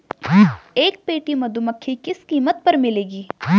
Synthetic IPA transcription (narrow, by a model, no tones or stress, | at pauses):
eːk̚peːʈimɐd̪uməkʰːikɪskiːmət̪̚pɐɾmɪleːɡiː